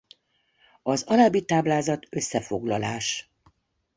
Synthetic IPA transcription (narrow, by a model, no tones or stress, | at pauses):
ɒzɒnabit̪aːblaːzɒt̪ø̞sːɛfo̞ɡlɒlaːʃ